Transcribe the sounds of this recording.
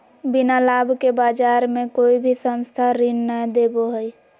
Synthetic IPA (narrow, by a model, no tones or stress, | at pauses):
binalabʱkebaːd͡ʒaːɾmẽkoːibʱisə̃nst̪ʰaɾinːəd̪eboɦəj